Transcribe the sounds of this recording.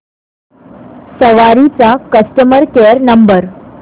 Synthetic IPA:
səʋaɾit͡sakəsʈəməɾkeɾnəmbəɾ

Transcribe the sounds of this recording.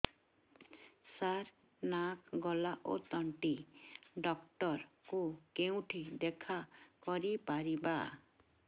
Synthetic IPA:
saɾ | nakɡɔlaʔo̰t̪ɔɳʈiɖɔkʈɔɾkukeũʈʰid̪ekʰakɔɾipaɾiba̰

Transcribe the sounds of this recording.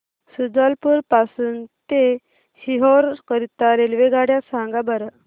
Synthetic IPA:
sud͡zalpuɾpasuːnt̪e | hiɦɔɾkəɾit̪aɾelʋeɡaɽjasaŋɡabaɾə

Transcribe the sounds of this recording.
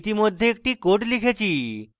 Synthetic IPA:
t̪imod̪ʱːeek̚ʈikoʈlikʰet͡ɕʰi

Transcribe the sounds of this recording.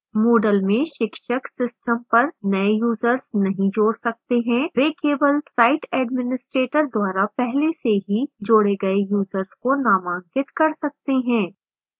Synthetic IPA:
moːɖəlmẽʃɪkʃəksɪsʈəmpɐɾnɐejuːzəɾznɐɦĩd͡ʒoːɽsɐk̚t̪eɦɛ̃ɾeːkeːbəlsaːɪʈɛːɖmɪnɪsʈɾeːʈəɾd̪waːɾapɛɦleseɦid͡ʒoːɽeɡɐejuːzəɾzkonaːmãːŋkɪt̪kɐɾsɐk̚t̪eɦɛ̃ː

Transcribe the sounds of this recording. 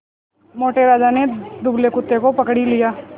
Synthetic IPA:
moːʈeɾaːd͡ʒaned̪ʊblekʊt̪ːekopɐkɽilijaː

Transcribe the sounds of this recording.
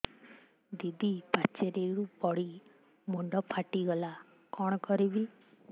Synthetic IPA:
d̪id̪ipat͡ʃeɾeɾubɔɽi | muɳɖɔpʰaʈiɡɔla | kɔɽ̃ɔkɔɾibi

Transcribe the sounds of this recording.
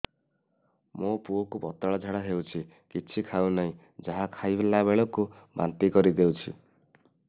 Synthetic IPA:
mopuokupɔt̪aɭɔd͡ʒʱaɽaɦewt͡ʃʰi | kit͡ʃʰikʰawnaĩ | d͡ʒaɦakʰajbelabeɭɔkuba̰nt̪ikɔɾid̪ewt͡ʃʰḭ

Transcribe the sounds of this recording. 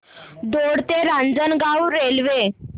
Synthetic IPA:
d̪oɽt̪eɾãnd͡zənɡawɾelʋe

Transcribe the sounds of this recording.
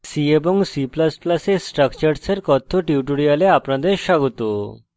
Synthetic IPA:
siebɔŋsiplasplasesʈɾəkt͡ɕəɾseɾkɔt̪ʰːoʈiwʈuɽijaleapnad̪eɾʃaɡɔt̪o

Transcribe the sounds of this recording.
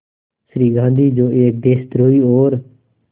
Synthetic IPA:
sɾiːɡʱãːnd̪iːd͡ʒoːʔeːk̚d̪eːst̪ɾoːiːoːɾ

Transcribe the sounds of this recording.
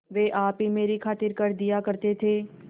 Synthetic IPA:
ʋeːʔaːpɦimeːɾikʰaːt̪ɪɾkɐɾd̪ɪjakɐɾt̪et̪ʰeː

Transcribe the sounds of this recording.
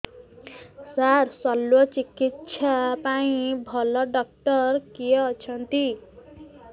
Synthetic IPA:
sarsʌlːwʌt͡sikit̪sʰapaĩbʱʌlʌɖʌk̚ʈʌrkijʌt͡sʰʌnt̪i

